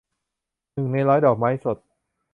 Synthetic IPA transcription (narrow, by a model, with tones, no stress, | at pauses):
nɯ˨˩ŋna˧jlɔː˦˥jdɔː˨˩k̚ma˦˥jso˨˩t̪̚